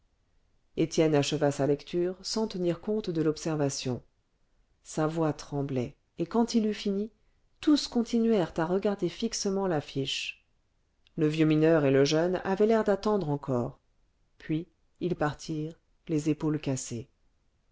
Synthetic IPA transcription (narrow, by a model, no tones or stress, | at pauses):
et̪jɛnaʃəvasalɛkt̪ʰyʁsɑ̃t̪əniʁkɔ̃t̪d̪əlɔpsɛʁvasjɔ̰̃ | savwat̪χɑ̃blɛ | ekɑ̃t̪ilyfini | t̪uskɔ̃t̪inɥɛʁt̪aʁəɡaʁd̪efiksəmɑ̃lafiʃ | ləvjøminœʁeləʒœna̰vɛlɛʁd̪at̪ɑ̃d̪ʁɑ̃kʰɔːʁ | pɥi | ilpaʁt̪ʰiʁ | lezepolkase